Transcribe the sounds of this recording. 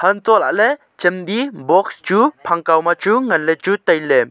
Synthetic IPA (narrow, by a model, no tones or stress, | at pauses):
hɐntɔla̰ʔlɛ | t͡ʃɛmd̪ibɔkst͡ʃupʰaŋkawmat͡ʃuŋɐnlɛt͡ʃut̪ajlɛ